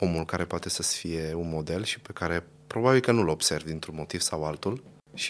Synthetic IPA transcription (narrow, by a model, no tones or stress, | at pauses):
o̞mulkaɾe̞poat̪e̞səsfije̞unmo̞d̪e̞lʃi̥pe̞kaɾe̞ | pɾo̞babilkənulo̞bse̞rvd̪int̪ɾunmo̞t̪iv̥sawalt̪ul | ʃi̥